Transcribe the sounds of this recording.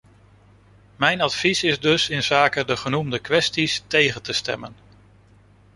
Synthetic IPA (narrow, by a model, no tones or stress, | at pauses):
mɛjnɑtfisɪzdɵsɪnzaːkədəχənumdəkʋɛstistejχəntəstɛ̰mən